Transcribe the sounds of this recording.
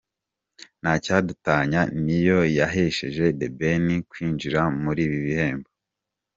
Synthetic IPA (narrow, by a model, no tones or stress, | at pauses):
nacadutaɲanijo̞jaɦeʃe̞ʒe̞debe̞nikwiːnd͡ʒiɾamuɾiːβiβihe̞ːmbo